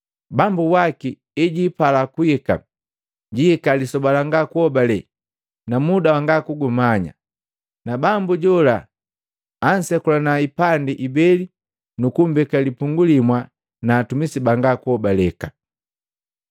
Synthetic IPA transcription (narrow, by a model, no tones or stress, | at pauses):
bambuwaki | ɛɟiːpalakuɛka̰ | ɟiikalisɔbalaŋɡakuhɔbalɛ | namudawaŋɡakuɡumaɲa̰ | nabambuɟɔlaː | n̩sɛkulanaipandiʔibɛli | nukumbɛkalipuŋɡulimwa | naːtumisibaŋɡakuhɔbalɛka